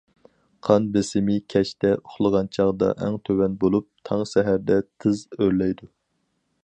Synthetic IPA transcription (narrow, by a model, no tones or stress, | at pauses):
qʰɑnbesɪmɪkʲʰɛʃt̪ɛoχlˠəʁɑnt͡ʃʰɑʁd̪ɑ̰ʔæŋt̪ʰøwɛnbolˠup̚t̪ʰɑŋsɛɦæɾd̪ɛt̪ʰɨzøɾlɛjd̪u